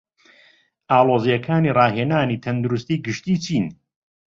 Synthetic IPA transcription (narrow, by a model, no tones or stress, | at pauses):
ʔaːlˠoːzijɐkʰaːniːrɑːɦeːnaːniːt̪ʰɐnd̪uɾʊst̪iːɡɨʃt̪iːt͡ʃʰiːn